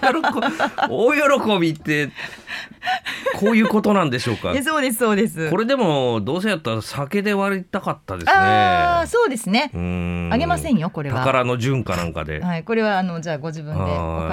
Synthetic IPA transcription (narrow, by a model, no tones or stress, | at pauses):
jɾokoojo̞ɾo̞ko̞bʲit̪ːe̞ | kʰo̞ːjɯ̟ːko̞t̪o̞nãnd̪e̞ɕo̞ːka̰soːd̪e̞s̬ɨ̥so̞ːd̪e̞sɨko̞ɾe̞d̪e̞mo̞d̪o̞ːs̬e̞jat̪ːaɾasake̞d̪e̞βaɾit̪akat̪ːad̪se̞aːneso̞ːd̪e̞sɨne̞ɯ̃aɡe̞masẽ̞ɰ̃jo̞ko̞ɾe̞t̪aakaɾano̞ʑɨ̃ŋkanã̰ŋka̰d̪e̞̰haiko̞ɾe̞βaːno̞d͡ʑaːɡo̞ʑibɯ̟̃na̰